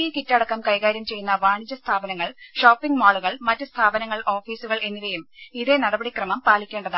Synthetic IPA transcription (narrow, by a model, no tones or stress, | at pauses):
ikitːɐɽɐkːɐmkɐjkaːɾjɐmt͡ɕe̞jːunːɐʋaːɳid͡ʑɐst̪ʰaːbɐnɐŋːɐɭʂoːpːiŋɡmaːɭuɣɐɭmɐtːɨst̪ʰaːbɐnɐŋːɐɭʔo̞ːfiːsuɣɐɭe̞nːiʋejumiðe̞nɐɽɐbɐɽikrɐmɐmpaːlikʲːe̞ːɳɖɐðɨ